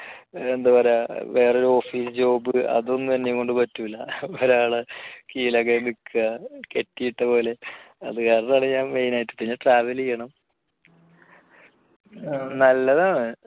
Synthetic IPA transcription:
end̪ɐpɐɾeʋe̞ːroɾuo̞ːfiːsɨd͡ʑo̞ːbɨɐ̰ðo̞nːɨt̪ɐnːeko̞ɳɖɨpɐtːuilːɐoɾaːɭekiːlɐɣemikːuɣɐke̞tːijiʈːɐpo̞ːle̞ɐðɨkaːɾɐnːɐmaːɳɨɲaːnmejnaːjitːɨ̥p̪ːinːeʈraːʋɐlijːɐɳɐm | nɐlːɐðaːɳɨ

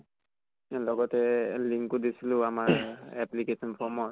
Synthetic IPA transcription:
lɔɡɔtɛliŋkudisilʊamaɹɛplikesɔnpʰɔmɔt

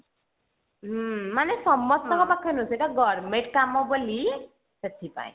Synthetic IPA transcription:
ɦmanesɔmːɔst̪ɔŋkɔpakʰːɔnuseʈaɡɔɾmeɳʈkamɔboli | set̪ʰipa̰ẽ

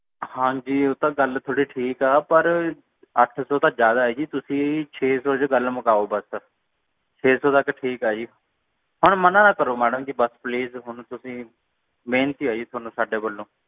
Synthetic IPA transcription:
hãːd͡ʒiːot̪ãːɡəlt̪ʰoːɽiːʈʰiːkaːpəɾ | əʈʰsɔːt̪ãːd͡ʒjaːd̪aːɦɛːd͡ʒiːt̪ʊsĩːt͡ʃʰeːsɔːt͡ʃɡəlməkaːoːbəs | t͡ʃʰeːsɔːt̪əkʈʰiːkaːd͡ʒiː | ɦʊɳmənãːnãːkəɾoːmɛːɖəmkɪbəspliːzɦʊɳt̪ʊsĩː | mẽːnt̪iːaːd͡ʒiːt̪ʰoaːnũːsaːɖeːbəlːõː

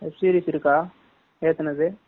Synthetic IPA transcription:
epsiːɾiːsiɾɯkːaː | eːt̪ɐnɐd̪ɯ

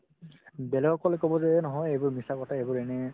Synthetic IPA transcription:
bɛlɛɡɔkɔlekɔbɔzɛnɔɦɔjejbʊɹmisakɔtʰaebʊɹɛnɛ

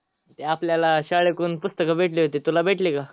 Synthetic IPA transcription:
t̪eapljalaɕaɭekuːnpust̪əkabʱeʈliɦot̪et̪ulabʱeʈlika

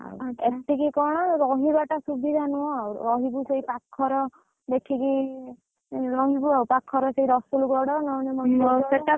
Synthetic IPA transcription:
a̰wetikikɔɽ̃ɔɾɔɦibaʈasubid̪ʱanuɔ̃awɾɔɦibuseipakʰːɔɾɔ | d̪ekʰiki | ɾɔɦibuawpakʰːɔɾɔseiɾɔsulɡɔɽɔnɔwnɔmɔnɔseʈa

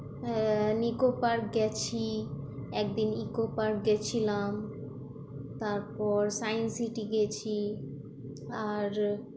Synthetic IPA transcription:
nikopaɾɡɛt͡ɕʰi | ɛk̚d̪inikopaɾɡɛt͡ɕʰilam | t̪aɾpɔɾsajnsiʈiɡɛt͡ɕʰi | aɾ

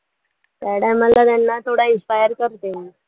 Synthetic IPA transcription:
t̪aɽamalat̪janːat̪ʰoɽainspajəɾkəɾt̪e

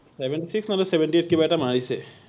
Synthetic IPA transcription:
seʋɛ̃ɳʈisiksnɐmbəɾseʋə̃ɳʈieːʈ̚kibɛːʈʰamãːɭise

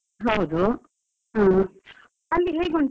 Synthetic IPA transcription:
ɦɐwd̪u | ɦãː | ɐlːiɦeːɡuɳ

